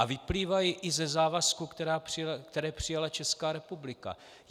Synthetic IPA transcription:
avɪpliːvajɪʔɪzɛzaːvaskukt̪ɛɾaːpr̥ɪkt̪ɛɾɛːpr̝̥ɪjalat͡ʃɛskaːɾɛpublɪka̰

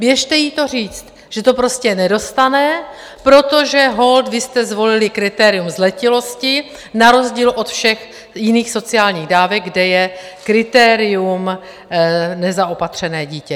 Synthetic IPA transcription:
bjɛʃt̪ɛjit̪o̞riːt͡st̪ | ʒ̥ɛt̪o̞pɾo̞scɛnɛdo̞st̪anɛ | pɾo̞t̪o̞ʒɛɦo̞ld̪vɪst̪ɛzvo̞lɪlɪkɾɪt̪ɛːɾɪjumzlɛcɪlo̞scɪ | naɾo̞zɟiːlʔo̞t̪fʃɛx | jɪniːxso̞t͡sɪaːlɲiːɣdaːvɛɡ̚ɡdɛjɛ | kɾɪt̪ɛːɾɪum | nɛzaʔopat̪r̝̥ɛnɛːɟiːcɛ

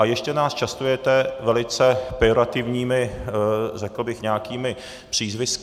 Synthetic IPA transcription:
ʔajɛʃcɛnaːst͡ʃast̪ujɛt̪ɛvɛlɪt͡sɛpɪoɾat̪ɪvɲiːmɪ | rɛkl̩bɪxɲɛakiːmɪ | pr̝̥iːzvɪsk

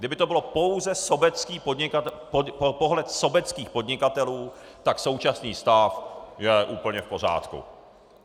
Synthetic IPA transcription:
ɡdɪbɪt̪o̞bɪlo̞po̞wzɛso̞bɛt͡skiːpo̞dɲɪkat̪oopo̞ɦlɛt̪so̞bɛt͡skiːxpo̞d̪ɲɪkat̪ɛluː | t̪akso̞wt͡ʃasniːst̪afjɛʔuːpl̩ɲɛfpo̞ɾ̝a̰ːt̪kṵ

